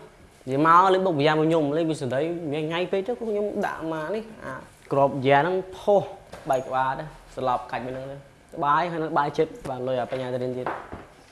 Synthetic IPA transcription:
ziəmaɔləɓok̚pəjaːməɲumləmisəndəjmiəŋajpeːt̪ɨkɔkʰɲomɗa̰ʔmaːnihʔa̰ː | krop̚jɛənɨŋpʰohɓaɛk̚kə̆ɓaːt̪ɨslɑp̚kac̚ɓanɨŋt̪ə | k̪ə̆ɓaːjɦajnɨŋk̪əɓaːjt͡ɕət̪̚ɓaːnlʊəjʔɔpaɲ̚ɲaːt̪ɾiənt̪iət̪̚

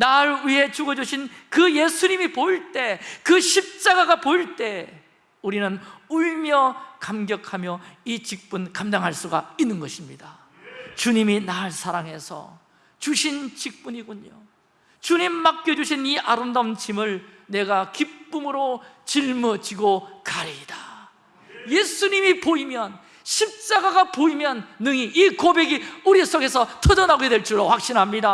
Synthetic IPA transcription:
naɭɥiɦe̞t͡ɕuɡʌd͡ʑuɕʰinkɯje̞sʰuɲimipoiɭt͈e̞kɯɕʰip̚t͡ɕ͈aɡaɡapoiɭt͈e̞ | uɾinɯnuɭmjʌkamɡjʌkʰamjʌit͡ɕik̚p͈unkamdaŋɦaɭs͈uɡainːɯnɡʌɕʰimɲida | t͡ɕuɲiminaɭsʰaɾaŋe̞sʰʌ̰ | t͡ɕuɕʰint͡ɕik̚p͈uɲiɡuɲo | t͡ɕuɲimːak̚k͈jʌd͡ʑuɕʰiniʔaɾɯmdamt͡ɕʰimɯɭne̞ɡakip͈umɯɾot͡ɕiɭmʌd͡ʑiɡokaɾid̥a | je̞sʰuɲimipoimjʌn | ɕʰip̚t͡ɕ͈aɡaɡapoimjʌnːɯŋiikobe̞ɡiuɾis͈ʰoɡe̞sʰʌtʰʌdʌnaɡoedeɭt͡ɕ͈iɾoɸwak̚ɕ͈inɦamɲida

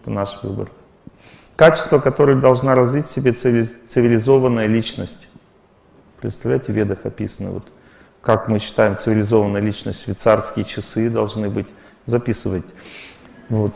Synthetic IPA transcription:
ɛt̪ənaʂvɨ̰bə̰r | kat͡ɕɪ̥st̪vəkɐt̪o̞ɾɨjəd̪ɐlˠʐnaɾɐzvʲitʲsʲɪbʲesɨt̪sɨvʲɪlʲɪzo̞vənːəjəlʲit͡ɕnəsʲtʲ | pɾʲɪt̪st̪ɐvlʲæjtʲɪvʲed̪əxɐ̰pʲisənːɨ̰vo̰t̪ | kakmɨɕːɪ̥t̪ajɪmt̪sɨvʲɪlʲɪzo̞vənːəjəlʲit͡ɕnəsʲt̪ʲsvʲɪt̪sarskʲɪjət͡ɕɪsɨd̪ɐlˠʐnɨbɨtʲ | zɐpʲisɨvətʲ | vot̪

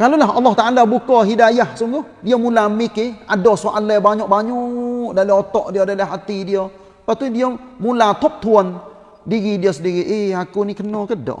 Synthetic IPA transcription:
kalolaɦɑlːɔht̪aʔalabukɔɦidajahsuŋɡʊhdiamulamɪkeadɔsoʔalɛbaɲɔʔ̚baɲɔʔdalaɔt̪ɔʔdiodalaɦat̪idiɔ | pat̪udiɔmulat̪ɔp̚t̪uan | diɣidiɔsədiɾɪt̪̚eakunikənokədɔ̰ʔ

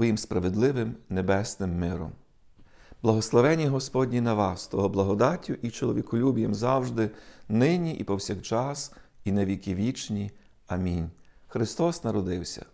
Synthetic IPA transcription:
ʋɔjimspɾɐʋed̪lˠɪʋɪmnebɛsnɪmːɪɾɔ̰m | b̥lˠɐɦɔslˠɔʋɛnʲiɦɔspɔdʲnʲinɐʋɑst̪ɔɦɔblˠɐɦɔd̪ɑtʲːʊʔit͡ʃɔlˠɔʋʲikɔlʲubʲijɐmzɑwʒd̪ɪnɪnʲiʔipɔwsʲɐkt͡ʃɑsineʋʲikʲɪʋʲit͡ʃnʲi | ɐmʲinʲxɾɪst̪ɔsnɐɾɔd̪ɪwsʲɐ̰

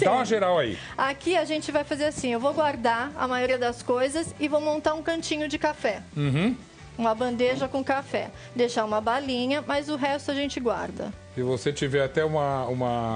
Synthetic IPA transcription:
t̪ãɐʒeɾawaḭ | akiaʒẽnt͡ʃɪvajfazeɾasĩewvowɡwaɾd̪aɐ̰majoɾiɐd̪ɐskojzɐsɪvowmõnt̪aɾũkɐ̃nt͡ʃĩɲʊd͡ʒɪkafɛ̃ɦ̩ | ũmɐbɐ̃nd̪eʒɐkõkafɛ̰ | d̪ejʃaũmɐbalĩɲɐmɐzʊɦɛst̪ʊaʒẽnt͡ʃɪɡwa̰ɾd̪ɐ̰ | ɪvoset͡ʃivɛɾat̪ɛũmɐũmɐ

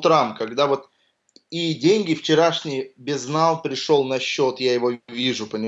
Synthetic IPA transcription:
t̪ɾamkɐɡd̪avo̞t̪ | idʲenʲɡʲɪft͡ɕɪɾaʂnʲɪjbʲɪznalˠpɾʲɪʂo̞lˠnɐɕːo̞t̪jajɪvovʲiʐʊpənʲɪ

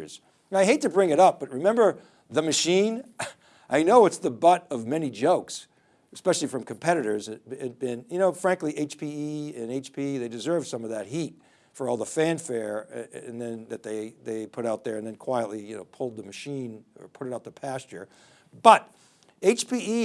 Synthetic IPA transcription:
z̥ | aɪɦeɪtʰɨbɹɪ̃ŋɨɾʌp̚b̥ʌt̚ɹɨmɛ̃mbə˞ | ðɨmɨʃĩn | ʔaɪnoʊɨtsðəbʌɾʌvmɛnid͡ʒoʊks | ɨspɛʃl̩ˠifɹʌ̃mkʰɨ̃m̩pʰɛɾɨɾə˞zɨt̚ɪt̚b̥ɪ̃njɨnoʊfɹæ̃ŋkliʔeɪt͡ʃpʰiiɨ̃neɪt͡ʃpʰiðeɪdɨzɜ˞vd̥sʌ̃mʌvðɨt̚hit̚ | fə˞ɔlˠðəfæ̃nfɛɹɨ̃nðɨ̃nðɨt̪̚ðeɪðeɪpʰʊɾaʊt̪̚ðə˞ɨ̃nðɨ̃nkʰw̥aɪɨtˡlijɨnoʊpʰʊlˠd̪̚ðəmɨʃĩnə̰˞pʰʊɾɨɾaʊt̪̚ðəpʰæst͡ʃə̰˞ | b̥ʌɾ | eɪt͡ʃpʰii

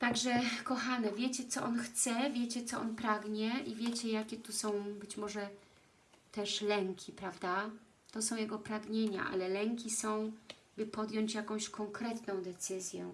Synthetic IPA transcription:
t̪aɡʐɛkɔxanɛvʲjet͡ɕɛt̪sɔʔɔnxt̪sɛvʲjet͡ɕɛt̪sɔʔɔnpɾaɡɲɛʔivʲjet͡ɕɛjakʲɛt̪usɔ̃w̃bɘt͡ɕmɔʐɛ | t̪ɛʂlɛŋkʲipɾavd̪a | t̪ɔsɔ̃w̃jɛɡɔpɾaɡɲeɲa̰ʔa̰lɛlɛŋkʲisɔ̃w̃ | bɘpɔd̪jɔɲt͡ɕjakɔ̃w̃ɕkʰɔŋkɾɛt̪nɔ̃w̃d̪ɛt̪sɘzʲjɛ̰

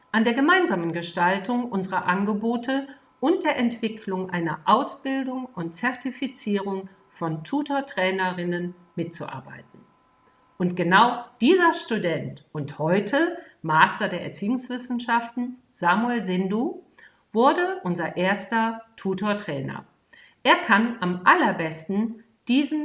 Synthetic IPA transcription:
ʔandeːɐɡəmaɪnzaːmənɡəʃtaltʊŋʔʊnzəʁɐʔanɡəboːtə | ʔʊnt̚d̥eːɐʔɛntv̥ɪkʰlʊŋʔaɪnɐ̰ʔaʊsb̥ɪldʊŋʔʊnt̚t͡sɛɐtifit͡siːʁʊŋ | fɔntʰuːtoɐtʁ̥ɛːnɐʁɪnən | mɪtt͡suʔa̰ɐba̰ɪtn̩ | ʔʊntɡ̥ənaʊd̥iːzɐʃtudɛntʔʊnthɔʏtʰəmaːstɐdeːɐʔɛ̰ɐt͡siːʊŋsv̥ɪsn̩ʃaftn̩ | z̥aːmuɛlzɪnduː | vʊɐdəʔʊnzɐʔeːɐstɐtʰuːtoːɐtʁ̥ɛːnɐ̰ | ʔeːɐkʰanʔamʔalɐbɛstn̩ | d̥iːzn̩

